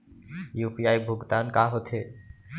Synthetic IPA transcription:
jupiajbʱoɡt̪ankaɦot̪ʰe

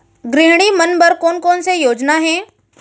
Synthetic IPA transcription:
ɡɾɪɦɽ̃imɐnbɐɾkoːnkɔːnsejoːd͡ʒnaɦɛ̃ː

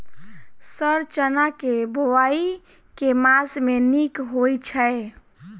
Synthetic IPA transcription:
səɾt͡ʃənakebʱowai | kemasmenikɦojt͡ʃʰə

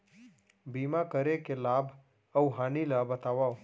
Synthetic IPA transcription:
biːmakəɾekelaːbʱ | əwɦaːnilabət̪aːʋao

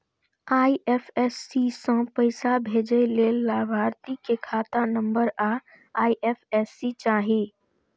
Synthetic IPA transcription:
aːiʔeːpʰɛsːisə̃pəɪsabʱeːd͡ʒəleːlːaːbʱaːɾt̪ikekʰaːt̪anə̃mbəɾaː | aːiʔeːfʰɛːsit͡ʃaːɦiː

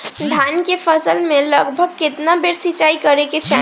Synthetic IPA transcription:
d̪ʱankepʰəsəlmeləɡbʱəɡ̚ket̪nabeɾsit͡ʃaikəɾeket͡ʃʰɛ

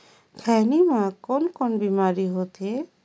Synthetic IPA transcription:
kʰɛnimãkɔnkɔnbimaɾiɦot̪e

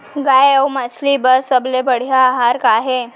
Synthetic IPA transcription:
ɡajəwmat͡ɕʰlibəɾsəblebəɽ̤jaːɦaɾkaɦe

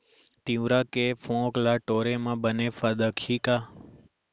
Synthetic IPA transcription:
t̪ĩwɾakefʰõklaʈoɾemãbənefad̪əkʰika

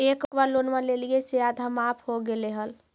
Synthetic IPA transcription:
ekbaɾlonmalelijesead̪ʱamapʰhoɡeleɦəl

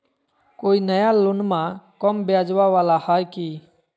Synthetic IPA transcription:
koːiːnəjalʊnmãːkɔmbjaːd͡ʒʋaʋaːlahaːjkiː

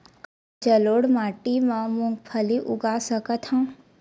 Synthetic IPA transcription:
d͡ʒəloːɽmaːʈimãmũŋɡpʰəliʔʊ̰ɡasəkət̪hãː

